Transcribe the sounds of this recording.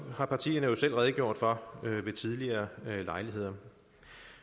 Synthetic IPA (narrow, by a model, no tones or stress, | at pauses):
hɑ̈pʰɑ̈t͡sʰḭːɐnəjo̝sel̰ʁɛð̞ˠɡ̥jo̝ɐ̰d̥fɒʋe̝t͡sʰið̞ˠliɐːlɑ̈ɪliɦe̝ð̞̰ˠɐ